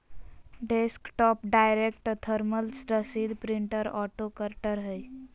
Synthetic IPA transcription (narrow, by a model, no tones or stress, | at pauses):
ɖeskʈɔpɖajɾekʈt̪ʰəɾməlsɾəsid̪pɾiɳʈəɾɔʈokəɾʈəɾɦəj